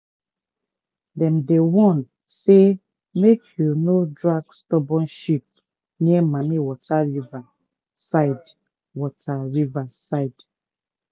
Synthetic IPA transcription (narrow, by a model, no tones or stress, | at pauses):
dɛ̃mdewɔ̃n | se | mekʰjunodɹaɡstɔbɔ̃nʃip̚ | niɛmamiwɔtʰaɹiva | saɪd | wɔtʰaɹivasaɪd̥